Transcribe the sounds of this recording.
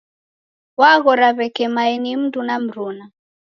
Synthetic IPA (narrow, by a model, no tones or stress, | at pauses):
waɣɔɾaβɛkɛmaɛnim̩ndunam̩ɾuna